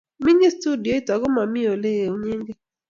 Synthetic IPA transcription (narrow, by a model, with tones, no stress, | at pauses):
mɪ˦ɲi˦stu˦di˨o˦i˦ta˨ɡɔ˦ma˨mɪ˦o˨le˦e˨u˦ɲe˦ŋɡe˦